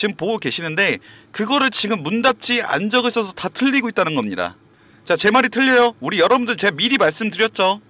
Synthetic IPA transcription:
t͡ɕimpoɡoke̞ɕʰinɯnde̞kɯɡʌɾɯɭt͡ɕiɡɯmːundap̚t͡ɕ͈ʰia̰nd͡ʑʌɡɯsʰʌsʰʌtatʰɯʎːiɡoit̚t͈anɯnɡʌmɲida̰ | t͡ɕat͡ɕe̞maɾitʰɯʎːʌjouɾijʌɾʌbɯndɯɭt͡ɕemiɾimaɭs͈ɯmdɯɾjʌt̚t͡ɕ͈o

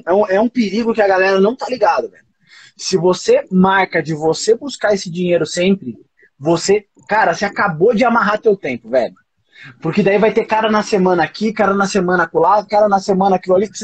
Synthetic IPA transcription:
ɛũɛũpeɾiɡʊkɪɐɡalɛɾɐnɐ̃w̃t̪aliɡad̪ʊvɛʎʊ | sɪvosemaɾkɐd͡ʒɪvosebuskaesɪd͡ʒĩɲejɾʊsẽmpɾɪ | vose | kaɾɐseakabod͡ʒɪamaɦat̪ewt̪ẽmpʊvɛʎʊ | pʊɾkɪd̪aivajt̪ekaɾɐnɐsemɐ̃nɐakikaɾɐnɐsemɐ̃nɐkolakaɾɐnɐsemɐ̃nɐakialik

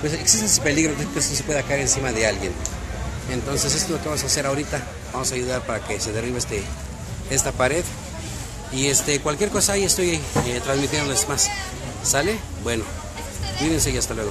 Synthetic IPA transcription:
pweseksis̬t̪eesepe̞liɣɾokekest̪os̬epwe̞ðakaeɾensimaðealɣjḛn | ent̪o̞nse̞s̬est̪olo̞keamosase̞ɾaoɾit̪a | bamosaːjuðaɾpaɾakese̞ðeriβest̪e | est̪apaɾeð | iest̪ekwalkjeɾko̞sajest̪ojajet̪ɾanzmit̪jend̪olesmas | sale | bweno̞ | d̪iɾensejiast̪alweɣo

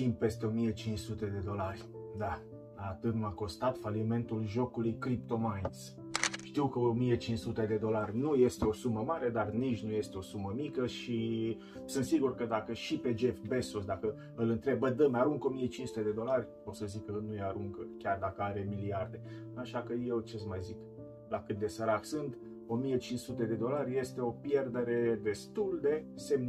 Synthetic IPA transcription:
t̪im̚pe̞st̪e̞o̞mije̞t͡ʃinssut̪e̞d̪e̞d̪o̞larʲd̪a | aːt̪ɨt̪nuako̞st̪at̪falime̞nt̪ulʒo̞kulujkɾipt̪o̞majns | ʃt̪iwkəomije̞t͡ʃinssut̪e̞d̪e̞d̪o̞larʲnuje̞st̪e̞o̞suməmaɾe̞d̪arnit͡ʃnuje̞st̪eo̞suməmikəʃi | sɨnt̪siɡurkəd̪akəʃipe̞d͡ʒe̞fbesosd̪akə | ɨlɨnt̪ɾe̞bːəd̪əmeaɾuŋko̞mije̞t͡ʃinsu̥t̪e̞d̪e̞d̪o̞larʲ | ot̪səzikənujeaɾuŋɡkʲard̪akəaɾe̞miliard̪e̞aʃakəje̞wt͡ʃesmajzik | lakɨt̪̚d̪e̞səɾaksɨnt̪ | o̞mije̞t͡ʃinssut̪e̞d̪e̞d̪o̞larʲje̞st̪e̞o̞pje̞rd̪e̞ɾe̞d̪e̞st̪uld̪e̞se̞mn

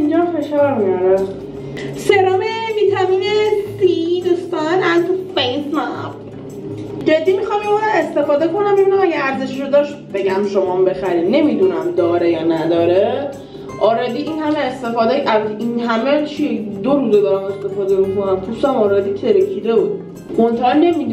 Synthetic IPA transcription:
ind͡ʒɒfe̞ʃɒɾmibæɾæm | seɾɒːmeviːt̪ʰæmiːnesid̪ust̪anænt̪ʰufejsmæp | d͡ʒed̪ːimixɑmʃomɒɾae̞st̪e̞fɒːd̪e̞kʰo̞næmiunæmæɡeæɾze̞ʃiʃod̪ɒʃt̪b̥e̞ɟæmʃomɒmbe̞xæɾid̪ne̞mid̪unæmd̪ɒːɾejɒːnæd̪ɒːɾe | ʔɒːɾɒd̪iːinhæmeːst̪e̞fɒːd̪ɛjʔævæt̪ʰeʔinɦæmet͡ʃʰied̪oɾuːzed̪ɒːɾæme̞st̪e̞fɒːd̪e̞mikʰo̞næmpʰusæmɒːɾɒd̪iːt̪ʰeɾecʰid̪ebud̪̚ | mont̪ʰænːe̞mid̪

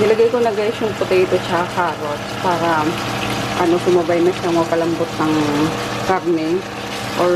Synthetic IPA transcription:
nɪlɐɡajkonɐɡaɪʃʊŋpʊt̪ɛɪt̪ot͡ʃɐkaːɾotpaːɾɐ | ʔɐnosʊmɐbajnɐʃaŋɐkɐlɐmbot̪̚nɐŋ | kaɾnɛ | ʔo

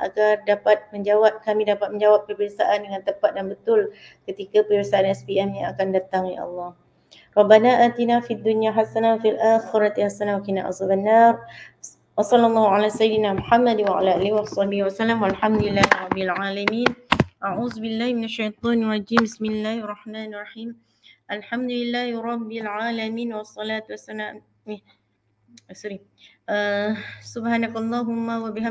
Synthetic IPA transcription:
ʔa̰ɡardapat̪̚məɲd͡ʒawap̚kamidapat̪̚mə̃ɲd͡ʒawap̚ːərbiasaʔandəŋant̪əmpat̪̚danbət̪ʊl | kət̪ikapərbiasaʔanɛspiʔɛmjaŋakandat̪aŋja̰ʔɑ̰lːɑh | rˤɑbːanaʔaːt̪inafid̪ːunjaɦasanawfialʔaːxiɾɑt̪ihasanawakinaʔa̰sˤɑbanːar | wɑsˤɑlːɑlˤːɑːhʊʕalaːsajɪd̪ɪnaːmʊħamːad̪waʕa̰laːʔaːlɪhwʔɑsˤɑhbɪhwasalːamwalħamd̪ʊlɪlːaːhɪɾˤɑbːɪlʕaːlamiːnʔaʕuːðbɪlːaːhmɪnaʃːajt̪ˤɑːnɑrˤɑd͡ʒiːmbɪsmɪlːaːhɑrˤːɑħmaːnɑrˤːɑħiːm | ʔalħamd̪ʊlɪlːaːhɪɾˤɑbːɪlʕaːlamiːnwɑsˤːɑlaːt̪wasana | sɑɾi | sʊbhaːnakɑlˤːɑːɦʊmːawabɪha

